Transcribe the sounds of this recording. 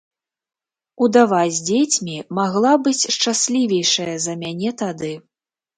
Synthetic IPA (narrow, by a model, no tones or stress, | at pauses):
ud̪avad͡zʲd͡zʲet͡sʲmʲimaɣlˠabɨt͡sʲʂt͡ʂasʲlʲivʲɛjʂɐjɐzɐmʲanʲɛt̪ad̪ɨ